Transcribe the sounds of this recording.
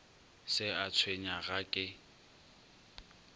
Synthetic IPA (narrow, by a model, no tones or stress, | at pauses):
sɪat͡sʰweɲaɣakʼɪ